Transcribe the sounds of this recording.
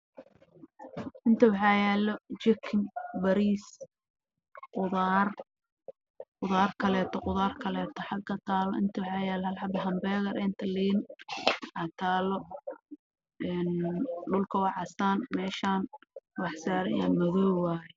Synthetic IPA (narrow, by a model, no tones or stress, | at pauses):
ʔɪnt̪ʰɐwɑħɑːjɛːlɔt͡ʃɪkʰɪŋbɐɾiːs | qʊðar | qʊðaːrkʰɐlɛːt̪ʰɔqʊðaːrkʰɐlɛːt̪ʰɔħɑɡkʰɐt̪ʰaːlɔ̰ʔɪnt̪ʰɐwɑħɑːjɛːlhɐlħɑbɐɦɐmbɛːɣɐɾʔɛːnt̪ʰɐliːn | ʔɐt̪ʰaːlɔ | ɛːnɖʊlkʰɐwɑʕɑsaːnmɛːʃaːnwɑħsaːɾɐjaːnmɐɣɔːwaːjɛ